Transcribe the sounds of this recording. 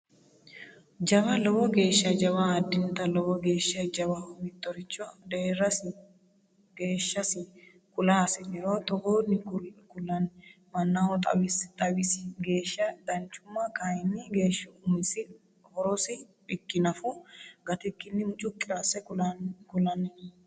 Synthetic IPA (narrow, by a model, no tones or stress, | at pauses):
d͡ʒɐbɐlɔwɔɡe̞ːʃːɐd͡ʒɐβaːd̪ɪnt̪ɐlɔwɔɡeːʃːɐd͡ʒɐβɐmɪt̪ːɔɾɪt͡ʃːɔd̪ɛɛɾɐsɪ | ɡe̞ːʃːɐsɪ | kʊlasɪnɪɾot̪ɔɡoːnːɪkʊlːɐn | mɐnːahɔt̪ʼɐ̰wɪst̪ʼɐwɪsɪ̥ɡe̞ːʃːɐd̪ɐnt͡ʃːʊmːɐkɐɪnːɪɡe̞ːʃːɐʊmɪsɪ | hɔɾɔsɪ | bɪkːɪnɐfʊɡɐt̪ɪkːɪnːɪmʊt͡ʃʼʊkʼːɪɾasɛkʊkʊlɐnɪn